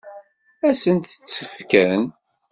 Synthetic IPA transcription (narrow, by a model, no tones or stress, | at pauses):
æsənt̪ə̥t͡sːəfkæn